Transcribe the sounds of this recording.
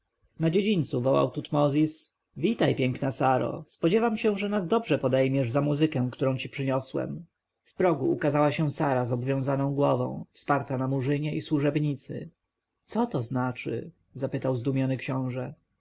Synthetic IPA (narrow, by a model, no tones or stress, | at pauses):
nad͡ʑed͡ʑint̪suvɔwa̰wt̪ut̪mɔzʲis | vʲit̪ajpʲjɛŋknasaɾɔ̰spɔd͡ʑɛvamɕɛ̃ʐɛnazd̪ɔbʐɛpɔd̪ɛjmʲjɛʐzamuzɘkɛ̃kt̪uɾɔ̃w̃t͡ɕipʂɘɲɔswɛ̰m | fpɾɔɡuːkazawaɕɛw̃saɾazɔbvʲjɔ̃w̃zanɔ̃w̃ɡwɔvɔ̰̃w̃fspaɾt̪anamuʐɘɲɛʔiswuʐɛbɲit̪sɘ̰ | t̪sɔt̪ɔznat͡ʂɘ̰ | zapɘt̪awzd̪umʲjɔnɘkɕɔ̃w̃ʐɛ